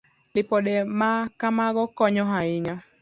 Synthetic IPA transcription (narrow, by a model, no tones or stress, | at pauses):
lɪpɔɗɛmakamaɣɔkɔɲɔɦaɪɲa